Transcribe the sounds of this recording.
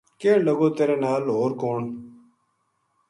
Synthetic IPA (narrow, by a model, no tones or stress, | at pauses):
kẽːɳləɡoːt̪eːɾeːnaːlɦoːɾkoːɳ